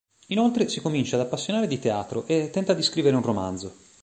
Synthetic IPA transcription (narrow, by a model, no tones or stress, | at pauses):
inolt̪ɾesikomint͡ʃad̪apːasːjonaːɾed̪it̪ea̰ːt̪ɾoʔet̪ːɛnt̪ad̪iskɾiveɾeunroma̰nd̪zo